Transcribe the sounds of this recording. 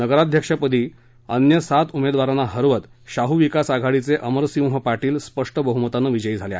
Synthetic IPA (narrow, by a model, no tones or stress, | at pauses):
nəɡəɾad̪ʱjəkʂapəd̪ʱiː | ənjəsat̪umed̪ʋaɾanaɦəɾʋət̪ɕaɦuʋikasaɡʱaɽit͡seʔəməɾsimɦəpaʈiːlspəʂʈəbəɦumət̪anːəʋid͡ʑəid͡zʱalea̰ee